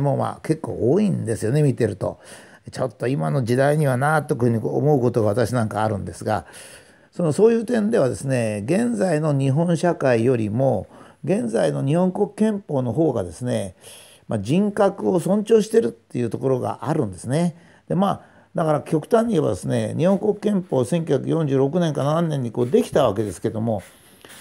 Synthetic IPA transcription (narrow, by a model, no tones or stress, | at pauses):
mo̞ma̰ːke̞kːo̞̰ːoːĩnd̪e̞sɨjo̞ne̞mʲit̪e̞ɾɯ̟t̪o̞̰t͡ɕo̞t̪ːo̞imano̞ʑid̪aiɲ̟iβanat̪ːokɯhɯ̟ɲ̟iko̰ːmo̞ɯko̞t̪o̞ɡaβat̪aɕinãŋkaːɾɯ̟̃nd̪e̞sɨɡa̰ | so̞no̞so̞ːjɯ̟ːt̪ẽ̞nd̪e̞β̞ad̪e̞sɨne̞ɡẽ̞nd͡zaino̞ɲ̟iɦõ̞ɰ̃ɕakaijo̞ɾʲimo̞ɡẽ̞nd͡zaino̞ɲ̟ihõ̞ŋko̞kɯ̥kːẽ̞mpoːno̞ɦo̞ːɡa̰d̪e̞sɨne̞ | mad͡ʑĩŋkakɯ̟o̞sõ̞ɲt͡ɕo̞ːɕi̥t̪e̞ɾɯ̟t̪ːe̞jɯ̟ːt̪o̞ko̞ɾo̞ɡa̰ʔaɾɯ̟̃nd̪e̞sɨne̞ | d̪̥e̞maː | d̪akaɾakʲo̞kɯ̟̥t̪ãɲ̟ʲːieβa̰d̪e̞sɨne̞̰ɲʔihõŋko̞kɯ̟̥kẽ̞mpo̞ːsẽ̞ŋkʲjɨçjakɯjõɲ̟d͡ʑɨːɾo̞k̬ɯ̟nẽ̞ŋkanaanːẽ̞ɲ̟ːiko̞ːd̪e̞kʲi̥t̪aβ̞ake̞d̪e̞sɨ̥ke̞d̪o̞mo̞